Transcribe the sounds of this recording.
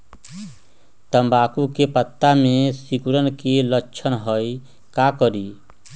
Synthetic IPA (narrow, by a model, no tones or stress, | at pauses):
t̪əmbaːkukepət̪ːamẽsikuɾənkeləːt͡ʃʰənɦəj | kakəɾi